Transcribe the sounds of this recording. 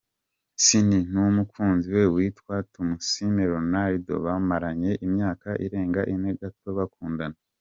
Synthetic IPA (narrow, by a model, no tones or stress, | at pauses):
sinin̥umukuːnziwe̞wiːtwatumusimeɾo̞naɾido̞̰βamaɾaɲe̞ʔimɲaːkaʔḭɾe̞ːŋɡaʔineɡato̞βakuːndana